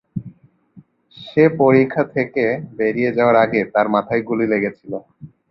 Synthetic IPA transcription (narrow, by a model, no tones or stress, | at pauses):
ʃepoɾikʰːat̪ʰekebeɾied͡ʑaoaɾaɡet̪aɾmat̪ʰajɡulileɡet͡ɕʰilo